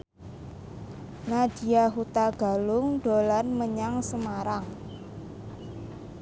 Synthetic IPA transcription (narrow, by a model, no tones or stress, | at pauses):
nad̥i̤aɦut̪aɡ̥a̤lʊŋɖ̥olanməɲaŋsəmaɾaŋ